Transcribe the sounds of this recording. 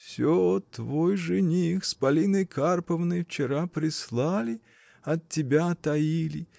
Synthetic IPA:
fsʲot̪vojʐɨnʲixspɐlʲinɨjkʰarpəvnɨjft͡ɕɪɾapɾʲɪslˠalʲɪ | ɐtʲːɪbʲat̪ɐilʲɪ

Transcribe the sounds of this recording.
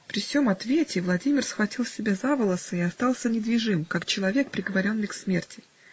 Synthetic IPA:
pɾʲɪfsʲo̞mɐt̪vʲetʲɪvlˠɐdʲimʲɪrsxvɐtʲilˠsʲɪbʲazavɨlˠəsɨɪɐst̪ɑlˠsʲənʲɪd̪vʲɪʐɨmkakt͡ɕɪlˠɐvʲe̞k̚pɾʲɪɡəvɐɾʲo̞nːɨjksmʲertʲɪ

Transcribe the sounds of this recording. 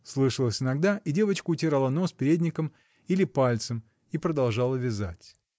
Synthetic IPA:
slˠɨʂəlˠəsʲɪnɐɡd̪aʔidʲe̞vət͡ɕkʊːtʲɪɾalˠəno̞spʲɪɾʲedʲnʲɪkəm | ilʲɪpalʲt̪səm | ipɾəd̪ɐlˠʐalˠəvʲɪza̰tʲ

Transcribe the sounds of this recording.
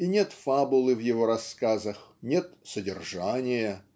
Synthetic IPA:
inʲe̞t̪fabʊlˠɨvjɪvoɾɐskazəxnʲe̞t̪sədʲɪrʐanʲɪjə

